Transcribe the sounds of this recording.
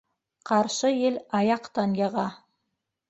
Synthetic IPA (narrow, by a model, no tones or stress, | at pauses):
qɑɾʃɤjelɑjɑqt̪ɑnjɑʁɑ